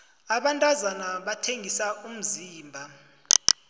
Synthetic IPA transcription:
aɓantʼazanaɓatʰeŋʱisaum̩ziːmbʱa

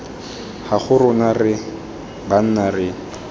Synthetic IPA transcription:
haχʊɾʊnarɪ | ban̩narɪ

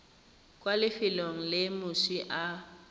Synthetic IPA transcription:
kʼwalɪfɪloŋ̩lɪmʊsiʔa

